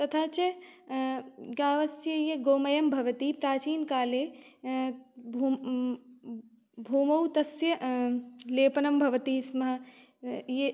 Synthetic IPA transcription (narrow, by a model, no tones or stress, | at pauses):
t̪ɐt̪ʰaːt͡ʃɐ | ɡaːʋɐsjɐjeɡoːmɐjɐmbʱɐʋɐt̪ipɾaːt͡ʃiːnkaːleː | bʱuːmɐwt̪ɐsjɐ | leːpɐnɐmbʱɐʋɐt̪iːsmɐɦɐ̆ | je